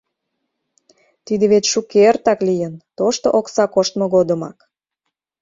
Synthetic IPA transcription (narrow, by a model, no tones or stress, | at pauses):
t̪id̪ĕβet͡ɕʃukeərt̪ɑklijənt̪oʃt̪oʔoksɑkoʃt̪moɣod̪ə̆mɑ̰k